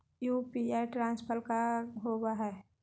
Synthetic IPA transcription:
jupiaʈɾãːnspʰəlkaɦoɡaɦɛː

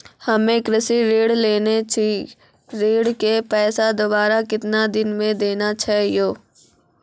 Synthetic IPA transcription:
hɐmẽkɾɪsiɾeːɽleːnet͡ʃʰi | ɾeːɽkepɛːsad̪obaːɾakɪt̪nad̪ɪnmẽd̪eːnat͡ʃʰaːɦijoː

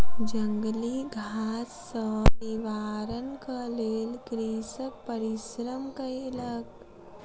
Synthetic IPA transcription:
d͡ʒə̃ŋɡliɡʱaːsːɔniʋaːɾənkaleːlɡɾiːsəpəɾɪʃɾəmkəeləɡ

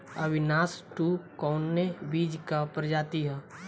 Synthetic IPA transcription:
ɐʋɪnaːsʈukɔːnːebiːd͡ʒkapɾd͡ʒaːt̪iɦɛː

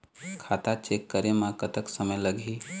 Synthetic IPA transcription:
kʰat̪at͡ʃekːəɾemãkət̪əksəməjləɡʱi

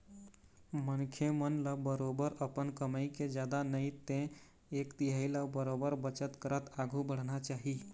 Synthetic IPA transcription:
mənkʰjemənləbəɾobəɾəpənkəməɪked͡ʒjad̪anəjt̪ẽ | ekt̪iɦailəbəɾobəɾbət͡ʃət̪kəɾət̪aɡʱubəɽ̤nat͡ʃaɦi

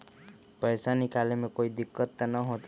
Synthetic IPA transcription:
pəjsanikalemekoid̪ikːɔt̪ːanɔɦõt̪i

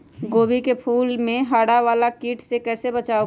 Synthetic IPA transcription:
ɡoːbikepʰuːlmẽɦaːɽaʋaːlakiːʈʰsekɛːsebət͡ʃaːo

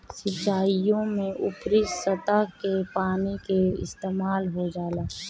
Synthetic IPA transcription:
sɪt͡ʃːaːijõmẽʔʊpɾɪssət̪əkepaːnikeɪ̰st̪eːmaːlɦod͡ʒaːlaː

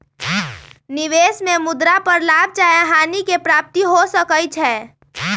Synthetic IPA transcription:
nɪʋeːsmẽmʊd̪ɾapəɾlaːb̚ʱt͡ʃaːjaɦaːnikepɾaːp̚t̪iɦosəkəjt͡ʃʰɛː

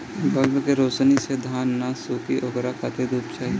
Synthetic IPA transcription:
bɐlbkeɾoːt͡ʃnised̪ʱaːnːasuːkiʔoɡɾakʰat̪ʰed̪ʱuːpt͡ʃaːi

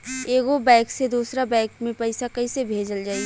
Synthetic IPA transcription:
eːɡobɛ̃ːksed̪uːsɾabɛ̃ːkmẽpɐɪsakɐisebʱeːd͡ʒəld͡ʒaːi

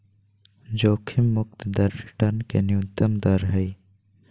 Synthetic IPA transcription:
d͡ʒoːkʰimːʊk̚t̪d̪ɐɾʈɐnkḛnjuːnt̪ɐmd̪ɐɾɦɐi

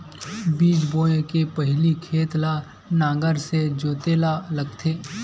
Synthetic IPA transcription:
biːd͡ʒboːekepəɦlikʰeːt̪la | nãːɡəɾsed͡ʒoːt̪eːlalɐɡt̪ʰeː

